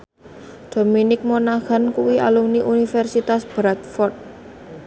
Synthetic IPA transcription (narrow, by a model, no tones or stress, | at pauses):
d̪̥o̤minɪk̚monaha̤nkuwiʔa̰lumniʔunifɛrsit̪asb̥ɾat̪̚fɔrt̪̚